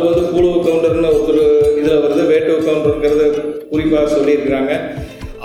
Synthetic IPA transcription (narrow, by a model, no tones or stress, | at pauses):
ɯʋɐnd̪ɯpuːɭoːkɐʋʊɳɖɐɾnɯɔɾɔɾɯɪðɪlɐʋɐɾɐðɯʋeːʈːɐʊkːaːmɾɐɡɪɾɐðɯkʊɾɪpːaːɣɐsɔlːɪɪɾɯkːɪɾaːŋɡɐ